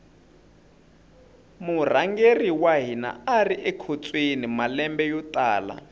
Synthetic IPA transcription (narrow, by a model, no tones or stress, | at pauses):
mur̤aŋɡeriwaɦina̰ariʔɛkʰot͡sʼwenimalɛmbɛjɔtʼaːla̰